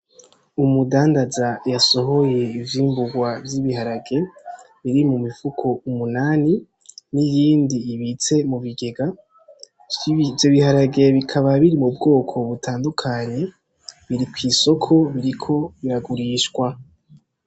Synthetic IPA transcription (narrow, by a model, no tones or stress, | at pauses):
umudaːndazajaso̞ɦo̞je̞ivjiːmbuɡwavjiβiɦaɾaɡe̞ | βiɾimumifukʰo̞umunaːni | nijiːndiːβit͡se̞muβiɡe̞ɡa | vjoβihaɾaɡe̞βikʰaβaβiɾimubɡo̞ːkʰo̞βutʰaːndukʰaɲe̞ | βiɾikwiːso̞kʰo̞βiɾikʰo̞βiɾaɡuɾiːʃɡwa